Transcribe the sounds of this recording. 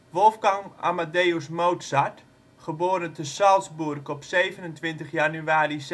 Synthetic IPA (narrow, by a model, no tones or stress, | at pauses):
ʋɔlˠfɡaŋa̰madeːusmowtsat | χəboːɾəntʰəsalˠsburkɔpseːvənəntʋɪntəχjanyaːɾis